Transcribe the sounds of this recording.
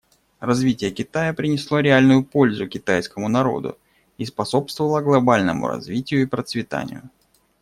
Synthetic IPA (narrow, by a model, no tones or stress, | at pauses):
rɐzvʲitʲɪjəkʲɪt̪ajəpɾʲɪnʲɪslˠo̞ɾʲɪalʲnʊjʊpo̞lʲzʊkʲɪt̪ajskəmʊnɐɾo̞̰d̪ʊ̰ | ispɐso̞pst̪vəvəlˠəɡlˠɐbalʲnə̰mʊ̰ɾɐ̰zvʲitʲɪjʊipɾət̪svʲɪt̪a̰nʲɪ̰jʊ